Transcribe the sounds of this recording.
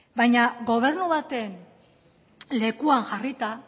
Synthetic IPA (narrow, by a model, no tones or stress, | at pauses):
bajɲaɡo̞β̞e̞ɾnuβat̪e̞n | le̞kuaŋxarit̪a